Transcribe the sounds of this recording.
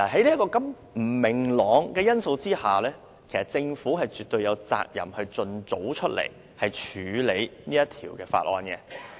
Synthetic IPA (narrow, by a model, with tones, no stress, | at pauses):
naː˨˩ɦɐ˨˥jliː˥kɔː˧kɐ˨˥m | m̩˨˩mɪ˨˩ŋlɔː˨˥ŋkɛː˧jɐ˥nso˧wt͡siː˥haː˨lɛː˥ | kʰe˨˩jsɐ˨˩t̚t͡sɪ˧ŋfuː˨˥ɦɐ˨jt͡ʃyː˨t̪ɵ˧ɥjɐ˨˧wt͡sa̰ː˧k̚jɐ̰˨˩mhɵ˧t͡sɵ˧nt͡so˨˥wt͡ʃʰɵ˥t̚lḛ˨˩j | hɐ˨jt͡ʃʰyː˨˧le˨˧jniː˥jɐ˥t̪ʰḭː˨˩wkɛː˧fa̰ː˧t̚ʔɔ̰ː˧nkɛ˧